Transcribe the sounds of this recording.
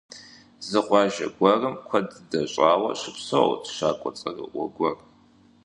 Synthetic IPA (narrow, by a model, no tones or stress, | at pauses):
zɨqʷʼɑːʒɐ̰ɡʷɐrɨmkʷʰɐdɨdɐɕʼaːwɐ̰ɕɪpsɐ̰wtʰʃaːkʷʼɔt͡sʼɐrɨ̰ʔʷɔ̰ɡʷɔr